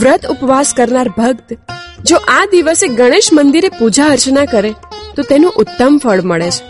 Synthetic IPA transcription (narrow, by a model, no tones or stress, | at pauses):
ʋɾət̪ʰʊpʋaskəɾnaɾbʱəɡ̚t̪d͡ʒoʔad̪iʋəseɡəɽ̃eʃmənd̪iɾepud͡ʒaəɾt͡ʃnakəɾet̪ot̪enũʔʊt̪ːəmfəɭməɭet͡ʃʰe̥